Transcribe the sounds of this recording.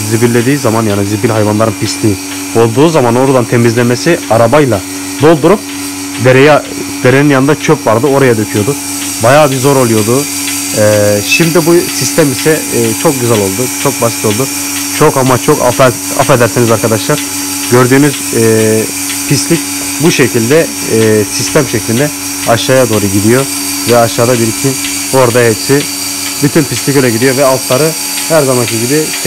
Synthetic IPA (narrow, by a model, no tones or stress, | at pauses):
zibilʲːe̞d̪iːzamanjaːnizibilʲɦajvanlˠaɾɯnpist̪lʲiː | o̞lˠd̪uːzamano̞ɾad̪ant̪ʰe̞mizlʲeme̞siaɾabajlˠa | d̪o̞lˠd̪uɾup̚ | d̪eɾeja | d̪e̞ɾeninjanɯnd̪at͡ʃʰøpvaɾd̪ɯo̞ɾajad̪ø̞cʰyjo̞d̪u | bajaːbizo̞ɾo̞lˠujo̞d̪ʊ | ɛːʃimd̪ibusist̪ʰɛæmisɛːt͡ʃʰo̞k̚ɟyzælʲo̞lˠd̪ut͡ʃʰo̞k̚basit̪ʰo̞lˠd̪u | t͡ʃʰo̞kamat͡ʃʰo̞ka̰f | a̰fe̞d̪æɾsenizaɾkʰad̪aʃlˠaɾ̥ | ɟø̞ɾd̪yːnyz | pʰist̪lʲic̚ | buʃecʰilʲd̪ɛ | sist̪ʰæmʃeclʲind̪ɛ | aʃaːjad̪o̞ːɾuɟid̪ijo̞ | vɛaʃaːd̪abiɾicʰin | o̞ɾd̪aɦɛpsɪ | byt̪ʰynpislʲicølʲɛɟid̪ijo̞vɛalˠt̪lˠaɾɯ | hæɾzamankʰiɟʲibi